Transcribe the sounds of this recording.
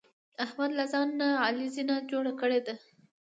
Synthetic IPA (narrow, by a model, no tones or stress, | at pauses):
ahmad̪lazɑnːaɑlizinad͡ʒoɽakəɽed̪a